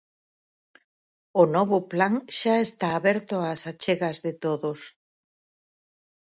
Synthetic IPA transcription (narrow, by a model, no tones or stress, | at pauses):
ʊnɔβʊplaŋʃaest̪aːβɛɾt̪ʊasat͡ʃeɣɐzðɪt̪oðʊs